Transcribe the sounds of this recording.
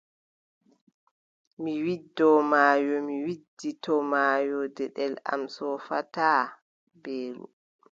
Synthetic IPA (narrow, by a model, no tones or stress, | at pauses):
miwidːɔmaːjɔmiwidːitɔmaːjɔdɛɗɛla̰msɔfataː | beːlṵ